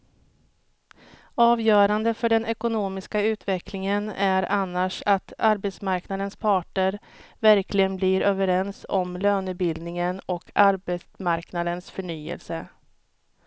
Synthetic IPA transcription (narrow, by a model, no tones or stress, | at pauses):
ɑːvjœːɾand̪əfœɖɛnɛkʊnoːmɪskaʉ̟ːt̪vɛklɪŋənæɾanːaʂat̪aɾbɛt̪smaɾknad̪ənspʰɑːʈɳəɾvæɾklɪɡənblɪɾøːvəɾɛnsɔmløːnʉ̟t̪̚bɪld̪nɪŋənɔkʰaɾbɛsmaɾknad̪ənsfœɳyːə̰lsə